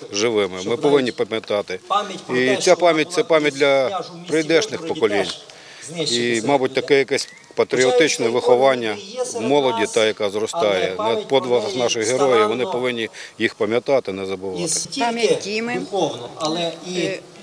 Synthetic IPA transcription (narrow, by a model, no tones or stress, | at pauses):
ʒɪʋɪmɪmɪpɔʋɪnʲːipɐmʲjɐt̪ɑt̪ɪit͡sʲapɑmʲjɐt̚ʲt̪sɛpɑmʲjɐt̚ʲdlʲɐpɾɪjd̪ɛʃnɪxpɔkɔlʲinʲ | imɑbʊt̚ʲt̪ɐkɛjɐkɛsʲ | pɐt̪ɾʲiɔt̪ɪt͡ʃnɛʋɪxɔʋɑnʲːɐmɔlˠɔdʲit̪ɑjɐkɑzrɔst̪ɑjɛnɐpɔd̪ʋɐɦɐxnɑʃɪɣɦeɾɔjɪʋɔnɪpɔʋɪnʲːijixpɐmʲjɐt̪ɑt̪ɪnɛzɐbɪʋtɑt̪ɪ̥amʲɐtʲimɪ